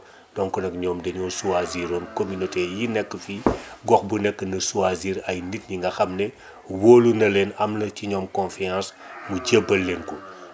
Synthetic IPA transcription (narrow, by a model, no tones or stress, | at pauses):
d̥ɔnkɔnɐkɲɔːmdɛɲɔsuaziɾɔːnkominotejinɛkːəfiɡɔxbunɛkːənɐsuaziːɾɐjnit̚ɲiŋɡɐxɐmnɛ | woːlunɐleːnɐmlɐciɲɔːmkɔ̃nfiãns | muɟebːɐlːenku